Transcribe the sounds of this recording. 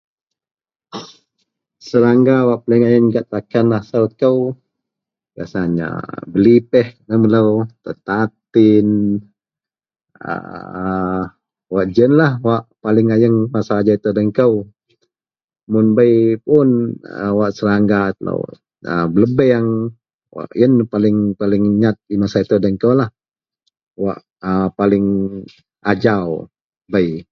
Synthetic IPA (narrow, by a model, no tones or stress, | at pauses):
səɾaŋɡawaʔpalɪŋajəŋɡaʔt̪akanasalkəw | kasaɲa̰bəlipɛhnəmələwt̪ət̪at̪ɪn | ə̰ | waʔd͡ʒənlahwaʔpalɪŋajəŋmasaːd͡ʒait̪ədəŋkəw | mʊnbəjpʊnə̰waʔsəɾaŋɡat̪lə̰w̰ | ə̰bələbɛaŋ | wa̰ʔjənpalɪŋpalɪŋɲat̪̚imasait̪ədəŋkəwlah | wa̰ʔ | əpalɪŋ | ad͡ʒaw | bəj